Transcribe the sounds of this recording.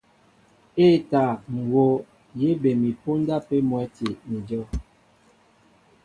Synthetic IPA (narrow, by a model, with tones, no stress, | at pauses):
eː˦ta˨ŋ̩˨wo˨˦ | je˦be˨mi˨po˦n˦da˦pe˦mwɛ˨˦ti˨mi˨d͡ʒɔ˦